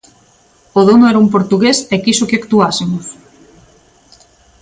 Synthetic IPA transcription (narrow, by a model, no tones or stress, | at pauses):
oðonʊɛɾaumpoɾt̪uɣesekisʊkɪakt̪uasemʊs